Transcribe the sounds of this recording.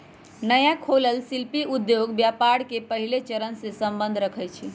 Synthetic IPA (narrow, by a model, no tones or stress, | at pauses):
nəjakʰoləlsilpiʔud̪joɡbjapaɽkepəɦilet͡ʃəɾənsẽsəmbə̃nd̪ʱɾəkʰət͡ʃʰi